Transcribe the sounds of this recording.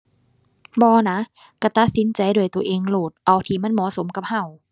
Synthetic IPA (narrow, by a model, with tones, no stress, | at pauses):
bɔː˧na˦˥ | ka˧˩t̪a˧˦t̪̚si˨˦nt͡ɕa˧jdu˧˩əjt̪u˧ɐ˧ʔeː˧ŋloː˨˩t̪̚ʔa˧˩wt̪ʰiː˧˩ma˧˥˨nmɔː˨˧˦so˨˦mka˧˦p̚ha˧˩w